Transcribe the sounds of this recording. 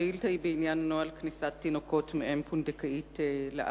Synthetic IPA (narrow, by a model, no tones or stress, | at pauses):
ilt̪aibeinjanːoalknisat̪ːinokotmeʔempʰund̪ekaʔitlḛʔ